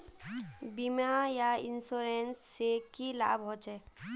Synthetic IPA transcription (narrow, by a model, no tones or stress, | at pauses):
bimajainsoɾensːekila̰bɦot͡ʃɛ